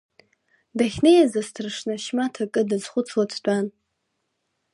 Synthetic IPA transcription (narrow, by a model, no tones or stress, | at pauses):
daχʲnejazastʰrʂnaʃmatʰakʼɨdɨzχʷʊt͡sʰwatʰdʷʼan